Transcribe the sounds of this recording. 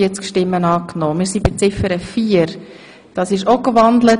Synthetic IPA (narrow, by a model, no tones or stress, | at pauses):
iət͡skʃtɪmːənɑːknoːmɪːɾsibɪt͡sɪfəɾəfiːəɾ | d̥ɑsɪʃokʋɑndlə